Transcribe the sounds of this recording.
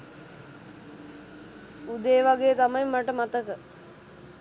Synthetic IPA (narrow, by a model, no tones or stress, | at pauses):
ud̪eːʋaɡejət̪amajmːaʈəmat̪əkə